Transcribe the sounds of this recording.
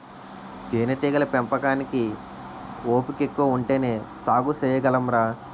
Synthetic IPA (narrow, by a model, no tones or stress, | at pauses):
t̪eːnɐʈiːɡɐlɐpempɐkaːniki | oːpikekːuʋɐuɳʈeːneːsaːɡusɛːjɐɡɐlɐmɾaː